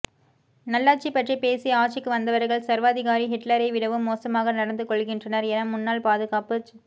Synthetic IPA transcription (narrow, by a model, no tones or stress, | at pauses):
nɐlːaːʈ̚t͡ʃipɐʈripeːsiɐaːʈt͡ʃɪkːɯʋɐnd̪ɐʋɐɾɣɐɭsɐɾʋaːðɪɣaːɾiɦɪʈlɐɾɐɪʋɪɽɐʋɯmːoːsɐmaːɣɐnɐɽɐnd̪ɯkːɔɭɣɪndrɐnɐɾɛnɐmːʊnːaːlpaːðɯɣaːpɯ